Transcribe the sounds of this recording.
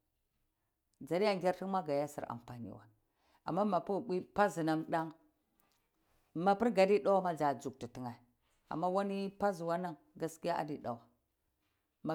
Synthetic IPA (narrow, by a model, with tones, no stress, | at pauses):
d͡za˨ɾi˦a˦ŋɡʲa˦ɾti˦ŋma˦ɡa˨ja˦sḭ˨ɾa̰˨m˨pa˨nḭ˦wa̰˨ | a̰˨mːa˦ma˨pu˦˨ɓi˦pa˦zi˨na˦ŋɗa˦ŋ | ma˨pi˦ɾɡa˨di˦ɗa˦wa˦ma˦d͡za˨d͡zu˨k̚ti˨ti˨ŋa˨ | a̰˨mːa˦wa˦ni˦pa˦zu˨wa˦na˦ŋ | ɡa˦ski˦a˦ʔa̰˨di˨ɗa̰˨wa˨ | ma˨